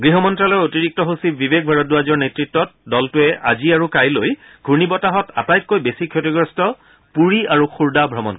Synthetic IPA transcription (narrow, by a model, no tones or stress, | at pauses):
ɡɹiɦɔmɔntɹalɔɹotiɹik̚tɔɦusibibek̚ʰbʱaɹɔt̚dʊazɔɹnetɹitːɔt̚dɔltʊɛʔa̰ziaɹukajloj | ɡʱuɹnibɔtaɦɔta̰tajt̚kojbesikʰjotiɡɹɔstɔ | puɹiaɹuxuɹdabʱɹɔmɔ̰n